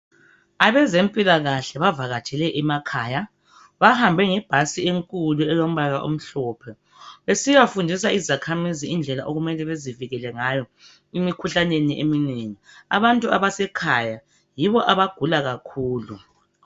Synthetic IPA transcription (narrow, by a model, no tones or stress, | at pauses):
aβɛzempʼilaɣaɬɛβavaɣḁt͡ʃʼʰɛlɛʔɛmakʰaːja | βahambʱɛŋɛb̥ʱasieŋkʼuluɛjom̩βaɣaʔo̰m̩ɬɔːpʰɛ | βesiwafundʱis̬aizakʰamiziind͡ɮʱɛlaʔoɣumɛlɛβeziviɣɛlɛŋajɔ | imikʰuɬaneniʔemineŋia̰βantʼuaβasɛkʰaja | jiβɔʔaβaɡ̥ʱulaɣakʰuːlu